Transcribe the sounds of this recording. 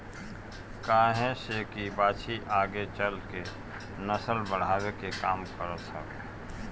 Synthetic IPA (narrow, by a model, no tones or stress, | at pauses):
kaːɦɛ̃sekibaːt͡ʃʰiʔaːɡet͡ʃəlke | nəsəlbəɽ̤aːwekekaːmkəɾəsə̰k